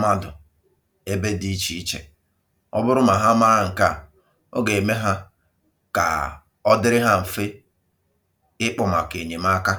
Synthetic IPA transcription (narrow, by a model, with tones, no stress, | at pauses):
ma˦dʊ˨ | e˦be˦di˦t͡ʃi˨i˦t͡ʃḛ˨ | ɔ̰˦bʊ˦ɾʊ˦ma˨ɦa˦ma˦a˦ŋ̩˨ka˦˨ | o˦ɡe˨e˨me˦ɦa˦ | ka̰˨ | ɔ˦dɪ˦ɾɪ˦ɦa˦m̩˨fe˦ | ɪ˦k͡pɔ˨ma˨ke˨ɲe˨ma˦ka˦